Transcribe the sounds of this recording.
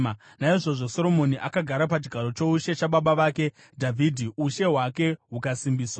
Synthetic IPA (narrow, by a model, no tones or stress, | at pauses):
naiʐo̞ʐo̞so̞ɾo̞mo̞niʔakaɡʱaɾap̬at͡ʃiɡʱaɾo̞t͡ʃo̞uʃe̞t͡ʃaɓaɓaʋaːke̞ | dʱavʱidʱiuʃe̞ɦwake̞ɦukasimbiːswa